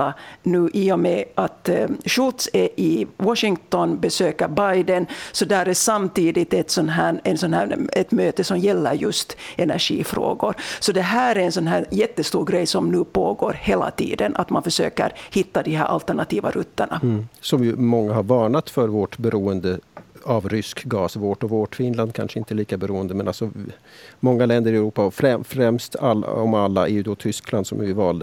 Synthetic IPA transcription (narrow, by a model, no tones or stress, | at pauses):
anʉːʔɪːɔmɛʔat̪ɕʊlt̪sɛʔɪwɔʂɪŋt̪ɔnbɛsøːkəɾbajd̪ənsɔd̪ɛæːɾɛsamt̪iːd̪ɪt̪ɛt̪sɔnɦæːɛnsɔnhæːɛt̪møːt̪əsɔmjɛlːə̰ɾjɵst̪ɛnæ̰ɾʂḭːfɾo̰ːɡʊɾsɔd̪ɛɦæːɾæɾɛnsɔnɦæːɾjɛt̪ːəst̪uːɾɡɾɛjsɔmnʉːpʰoːɡoːɾheːla̰t̪ʰḭːd̪ənʔa̰t̪manfœʂø̰ːkə̰ɾhɪt̪ːad̪ihɦæ̰ɾʔa̰lt̪æɳat̪iːva̰ɾʔɵt̪ːəɳa̰sɔmjɵmɔŋːahaɾvɑːɳat̪fœɾvoːʈbɛɾuːənd̪əavɾʏskɡɑːsvoːʈɔvoːʈfɪnland̪̚kʰa̰nʂəɪnt̪əliːkabɛɾuːənd̪əmɛna̰lsɔ | mɔŋːalɛnd̪əɾɪɛɾuːpaɔfɾɛfɾɛmst̪al̰ɔmalːa̰ɛɾjʉd̪ɔt̪ʰʏskland̪sɔ̰mvɪvɑːld̪ə